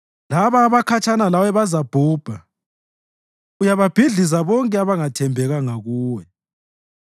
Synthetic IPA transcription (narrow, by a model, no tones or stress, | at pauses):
laβaːβakʰat͡ʃʰʼanalawɛβazab̥ʱuːb̥ʱa | ujaβab̥ʱiɮizaβɔŋkʼɛaβaŋatʰɛmbʱɛɣaŋaɣuːwɛ